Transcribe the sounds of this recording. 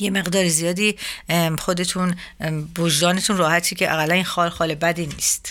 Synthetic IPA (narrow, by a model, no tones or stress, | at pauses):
jeme̞ɣd̪ɒːɾizijɒːd̪iːχo̞d̪e̞t̪ʰunbod͡ʒd̪ɒːne̞t̪ʰuːnrɒːhæt̪ʰicʰeʔæɣælːæninxɒːlxɒːle̞bæd̪iːnḭːst̪